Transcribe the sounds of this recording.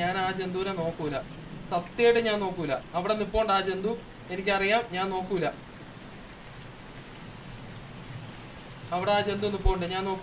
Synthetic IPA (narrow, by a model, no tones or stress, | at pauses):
aːnaːd͡ʑe̞nd̪uːɾeno̞ːkːuilːɐ | t̪ɐt̪ːeːjʈːɨɲaːnno̞ːkːuilːɐɐʋiɽenːipːoːɳɖaːd͡ʑe̞nd̪u | e̞nikʲːɐrijaːmɲaːnno̞ːkːuilːɐ | ɐʋiɽeaːd͡ʑe̞nd̪uenːupːojuɳɖɨɲaːno̞ːkː